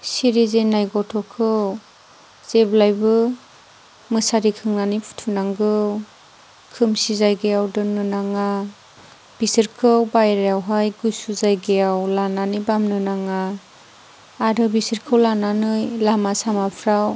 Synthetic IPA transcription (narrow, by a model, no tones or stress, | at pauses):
siɾizenajɡɔtʰɔkʰɯw | z̥eblajbɯ | mɯsaɾikʰɯŋnanijpʰu̥tʰunaŋɡɯ | kʰɯmsizajɡejawdɯnɯnaŋa | b̥isɯɾkʰɯwbajɾajawɦajɡujsuzajɡejawlananɯjbamnɯnaŋa | ɾɯbisɯɾkʰɯwlananɯjlamasamapʰɾaw